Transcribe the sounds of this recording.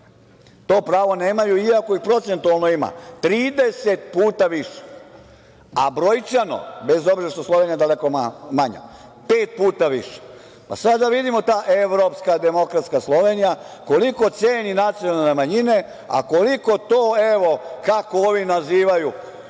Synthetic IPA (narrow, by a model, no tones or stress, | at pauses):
t̪oːpɾaːʋo̞ne̞ːmajuiako̞ipɾo̞t̪se̞nt̪ualˠnoima̰t̪ɾiːd̪e̞se̞t̪̚puːt̪aʋiʂe̥ | a̰bɾojt͡ʃano̰be̞zo̞bzeɾeʃt̪oslˠoʋenijad̪aleko̞amaɲa̰pe̞ːt̪̚puːt̪aʋiʃe̥ | pa̰sadd̪aʋid̪imo̞t̪aːʔeʋɾo̞pskad̪e̞mo̞kɾat̪skaslˠo̞ʋe̞nijako̞liko̞t̪seːninat̪sijonalnemaɲine̞ | a̰ko̞liko̞t̪oːeʋo̞kakooːʋinaziːʋaju